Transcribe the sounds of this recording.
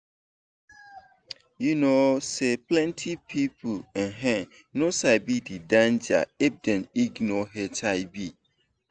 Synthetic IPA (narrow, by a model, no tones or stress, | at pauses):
junoseplɛ̃ntʰipʰipʰuɛ̃ɦɛ̃n | nosaɪbididãnd͡ʒa̰ɛb̚dɛ̃niɡnɔɦɛtʰaɪbi